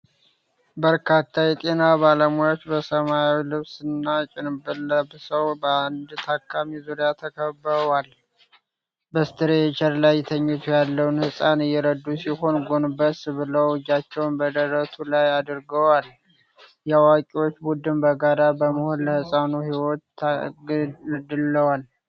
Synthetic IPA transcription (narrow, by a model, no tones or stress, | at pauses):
bəɾkʰat̪ʰːajɛt̪ʼe̞nabaləmujat͡ʃːbəsəmajawilɨβsɨnːat͡ʃʼɪnbɨlːəbsəwbəand̪t̪ʰakːamizuɾjat̪ʰəkʰəbəwal | bəst̪ʰɨɾeɛt͡ʃʰʼɛɾlajːɛt̪ʰəɲːɛt̪ʰujalːəwnhɨsʼanɨjːɛɾəd̪ːusiho̞nɡo̞nɨbəsbɨləwd͡ʒat͡ʃːɛwnbəd̪əɾət̪ʰulajad̪ɨɾɡəwal | jawakʼiwo̞t͡ʃːbud̪ɨmbəɡaɾabəməho̞nləhɨsʼanuhiwo̞t̪ | d̪ɨlːəwal